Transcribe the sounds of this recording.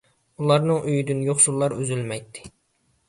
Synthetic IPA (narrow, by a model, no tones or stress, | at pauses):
ulˠɑɾnɨŋʔyjd̪ynjoχsulˠːɑɾøzylmɛjt̪ʰːɪ̥